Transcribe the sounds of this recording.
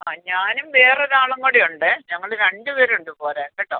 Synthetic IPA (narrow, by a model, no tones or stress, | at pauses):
aːɲaːnumʋe̞ːreðaːɭɐŋːoɽejuɳɖɨɲɐŋːɐɭɾeɳɖɨpeːɾuɳɖɨpoːɾaːkːɐʈːo̰ː